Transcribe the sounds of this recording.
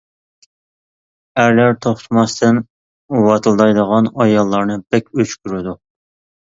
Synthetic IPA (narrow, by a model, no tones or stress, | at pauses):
æɾlæɾt̪ʰoχt̪ʰɨmɑst̪ʰɨn | wɑt̪ʰɨlˠd̪ɑjd̪əʁɑnɑjɑlˠːɑɾnɨb̥ɛkʲøt͡ʃkʲyɾɪd̪u